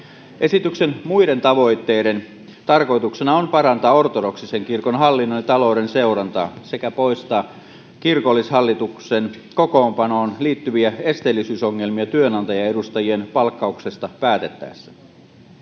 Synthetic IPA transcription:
ʔe̞sit̪ykse̞nmujde̞nt̪ɑʋo̞jt̪ːe̞jde̞n | t̪ɑrko̞jt̪uksenɑonpɑɾɑnt̪ɑːo̞rt̪odo̞ksiseŋkirkonɦɑlːinːolit̪ɑlo̞wde̞nse̞uɾɑnt̪ɑ̰ːse̞kæpo̞ist̪ɑː | kirkolːishɑlːit̪uksen | ko̞ko̞ːmpɑno̞ːnliːt̪ːyʋiæe̞st̪eːlːisyːsoŋːe̞lmiɑt̪yø̞nɑnt̪ɑjɑe̞dust̪ɑjie̞npɑlkːɑukse̞st̪ɑpæːt̪e̞t̪ːæ̰ːsːæ̥

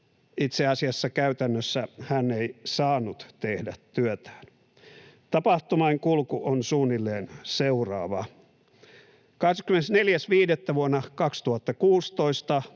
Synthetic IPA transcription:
it̪seɑsiɑsːɑkæyt̪ænːøsːæhænːeisɑːnːut̪t̪ehdæt̪tyøt̪æ̥ːn | t̪ɑpɑht̪umɑiŋkulkuʔonsuːnːilːeːnseurɑ̰ːʋɑ | kɑhskymːenesneljæsʋiːdet̪ːæʋuonːɑkɑkst̪uhɑt̪ːɑkuːst̪oist̪ɑ

